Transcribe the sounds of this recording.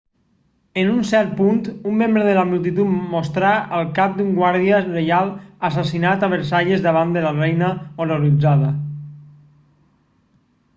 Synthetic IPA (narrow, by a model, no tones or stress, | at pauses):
ənunsɛɾt̪̚punt̪umːẽmbɾəðəlamulˠt̪it̪ut̪most̪ɾaəlˠkap̚d̪uŋɡwaɾðiərejalˠasasinat̪aβəɾsaʎezðəβ̞and̪əlarɛjnəoɾoɾid͡zaðə